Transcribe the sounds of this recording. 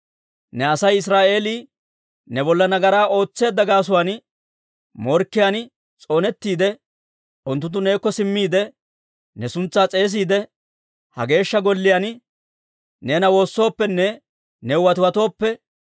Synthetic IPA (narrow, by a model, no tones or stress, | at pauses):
nɛɐsɐjɪs̬ɾaːʔe̞ːliː | nɛbɔlːɐnɐɡɐɾaːʔo̞ːt͡sːe̞ːd̪ːɐɡaːs̬ʊwaːn | mɔɾkːɪjan | t͡sʼo̞ːnɛt̪ːiːd̪ɛ | ʊnt̪̬ːʊt̪ːʊne̞ːkːɔsɪmːiːd̪ɛ | nɛsʊnt͡sːaːt͡sʼe̞ːs̬iːd̪ɛ | hɐ̰ɡe̞ːʃːɐɡɔlːɪjan | neːnɐwo̞ːsːo̞ːpːɛnːɛ | nɛʊwɐt̪ɪwɐt̪o̞ːpːɛ